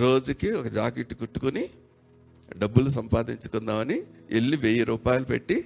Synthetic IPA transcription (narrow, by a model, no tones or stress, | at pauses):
ɾo̞ːd͡ʒukiɔkɐd͡ʒaːkeʈːkuʈːu̥kuni | ɖɐbːulusɐmpaːd̪iɲt͡ʃu̥kunːaːʋɐnielːiʋeːjiɾuːpaːjlupḛʈːi